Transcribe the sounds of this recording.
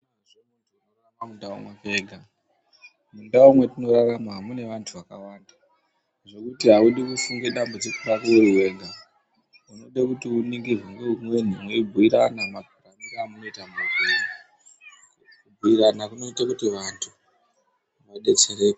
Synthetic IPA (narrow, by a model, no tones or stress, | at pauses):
eʐinot | oraramundaṵmwakeːɡʱa | mundaumwetino̞raramwaɦamune̞ʋantʰuʋaka̰waːnda | ʐe̞kutiɦauɗikufuŋɡe̞ɗambud͡zikuɾakueruwe̞ɡʱa | uno̞ɗekutiuniŋɡiɦwuŋɡeumwen̤imweibʱuiɾanamaɡʱaramiɾaːmuno̞itamakeni | kubʱuiɾanakuno̞itakutiʋantʰu | ʋaɗet͡ʃeɾeːpa